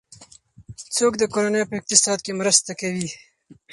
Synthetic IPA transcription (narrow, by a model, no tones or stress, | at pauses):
t͡soːkd̪əkoɾanəjpəɪq̚t̪ɪsɑd̪̚kemɾəst̪akawi